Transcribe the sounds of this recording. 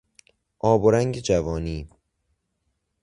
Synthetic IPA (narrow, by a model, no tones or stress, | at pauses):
ʔɒːboɾæŋɟed͡ʒævɒːniː